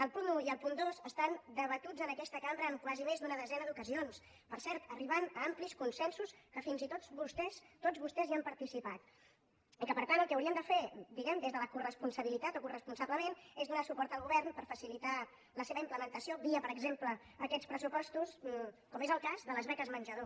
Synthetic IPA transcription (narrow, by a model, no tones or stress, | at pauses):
əlˠpunuiəlˠpund̪ozəst̪and̪əβət̪ud͡zənəkɛst̪əkambɾəːŋkwazimezd̪unəðəzɛnəðukəzions | pəɾsɛɾt̪əriβanəampliskunsɛnsuskəfinzit̪oβust̪ɛst̪od͡zβust̪ɛziampəɾt̪isipat̪ | ikəpəɾt̪ant̪əlˠkɛəwɾiəmnd̪əfed̪iɣɛmd̪ezðələkurəspunsəβilit̪at̪okurəspunsaβləmenezðunasupɔɾt̪əlˠɣuβɛrnpəɾfəsilit̪a | ləseβəimpləmənt̪əsioβiəpəɾəɡzempləː | kɛt͡spɾəsupɔst̪uskɔmezəlˠkazðələzβɛkəzmənʲʒəðo